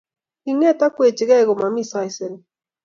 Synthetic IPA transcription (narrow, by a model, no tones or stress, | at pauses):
iŋet̪akʷet͡ʃiɣeɡomamisajseɾ